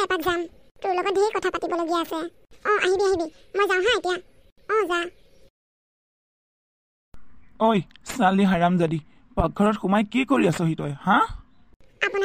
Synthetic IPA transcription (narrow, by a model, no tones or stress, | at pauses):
ɛpakzam | tʊɹlɔɡɔt̚dekɔtʰapatibɔloɡijaːsɛ | ɔ̃ʔaɦibiaɦibimojzãw̃ɦãetija | ɔ̃za | ojsaliɦaɹamzadi | pak̚ɡʱɔɹɔtxʊmajkikoɹiasɔɦitɔjhã | apuna